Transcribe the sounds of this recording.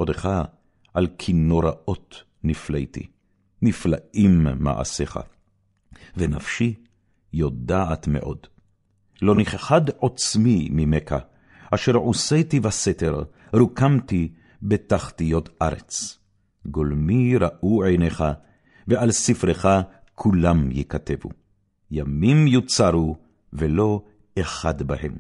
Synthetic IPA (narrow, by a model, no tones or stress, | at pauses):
ʔod̪eχa | ʔalkʰino̞ɾao̞t | niflejt̪ḭ | niflaʔimːa̰ʕa̰seχa̰ | venafʃi | jo̞d̪aat̪mḛʔo̞̰d̪ | lo̞niχχadot͡smimimekʰa̰ | ʔaʃeʁʕusejt̪ivaset̪eʁ | ɾukamt̪i | bet̪aχt̪ijo̞tʰʔaɾḛt͡s | ɡolmiɾaʔuʕejneχa | veʔalsifɾeχa | kʰulamjikat̪evṵ | jamimjut͡saɾu | velo̞ | eχad̪bahe̞m